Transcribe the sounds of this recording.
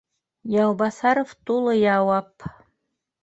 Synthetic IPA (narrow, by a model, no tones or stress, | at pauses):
jɑwbɑsɑɾoft̪ulˠɤjɑwɑp